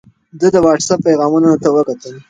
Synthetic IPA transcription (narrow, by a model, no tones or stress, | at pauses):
d̪əd̪əwɑʈsapːajɣɑmunanat̪awəkat̪əl